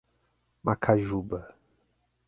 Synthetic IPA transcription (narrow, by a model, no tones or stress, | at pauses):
makʰaʒubə